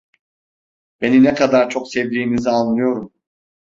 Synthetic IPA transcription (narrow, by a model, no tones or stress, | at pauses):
b̥e̞ninɛkʰad̪aɾt͡ʃʰo̞ksevd̪iːmizialˠnɯjo̞ɾum